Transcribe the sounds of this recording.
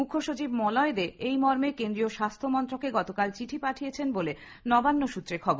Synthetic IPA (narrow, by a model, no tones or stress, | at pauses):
mukʰoʃot͡ɕibmɔlɔed̪eejmɔɾmekend̪ɾioʃast̪ʰomɔnt̪ɾokeɡɔt̪okalt͡ɕiʈʰipaʈʰijet͡ɕʰenbole | nɔbanːoʃut̪ːɾeɾkʰɔboɾ